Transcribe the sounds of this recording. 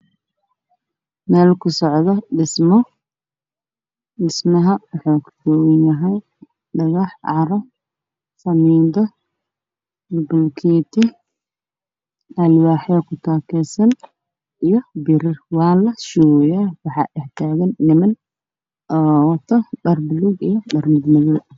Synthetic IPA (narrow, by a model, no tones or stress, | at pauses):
mɛːlkʰʊsɔʕðɐɖɪsmɔ | ɖɪsmɐɦɐwħɔkʰʊ̥d̪ɔwɪnɐɦɐj | ɖɐɣɑħʕɑɾɔ | sɐmiːd̪ɔ | lbʊlkʰɛːt̪ʰɪ | ɐlwaːħɐkʰʊt̪ʰaːkʰɛsɐn | ijɔbɪɾɪrwɑːlɐʃuwjaːwɑħɑ̰ʔɪht̪ʰaːɣɐnːɪmɐn | ʔɔːwɐt̪ʰɔɗɐrbʊluɡijɔɗɐrmɪd̪mɪðu